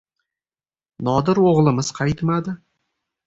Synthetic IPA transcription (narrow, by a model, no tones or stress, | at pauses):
nɒd̪ɪɾwoʁlˠɪməz̥qʰɑjt̪mad̪ɪ